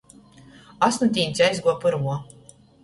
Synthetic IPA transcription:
asnut̪ʲiːnʲsʲajzɡuɔpɨɾmuɔ

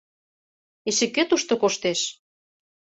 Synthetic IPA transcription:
eʃĕkːet̪uʃt̪ŏkoʃt̪eʃ

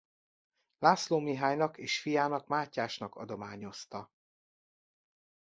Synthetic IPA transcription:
laːsloːmiɦaːɲnɒkeːʃfijaːnɒkmaːcːaːʃnɒkɒ̰d̪o̞maːɲo̞st̪ɒ

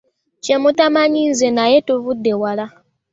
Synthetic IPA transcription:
t͡ʃemutamaɲinzenajetuβudːe̞wala

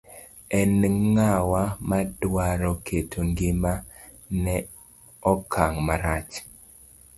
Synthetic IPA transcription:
ɛnŋawamadwaɾɔkʰetʰoŋɡɪma | nɛ | ɔkʰaŋmaɾat͡ʃ

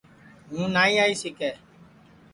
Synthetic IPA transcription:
ŋũnãiaisikɛ

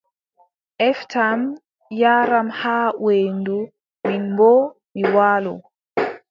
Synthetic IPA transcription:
ʔɛftʰam | jaːɾamhaːweːndu | minmbɔmiwaːlɔ

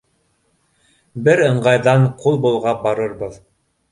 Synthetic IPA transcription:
bɘɾɤ̆ɴɢɑjðɑɴqulˠbulˠʁɑbɑɾɤɾbɤð

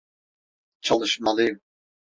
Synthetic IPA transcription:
t͡ʃʰalˠɯʃmalˠɯjɯm

